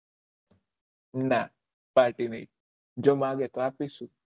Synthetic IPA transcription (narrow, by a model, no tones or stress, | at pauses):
na | paːɾʈinḛi | d͡ʒomaːɡeklaːpisu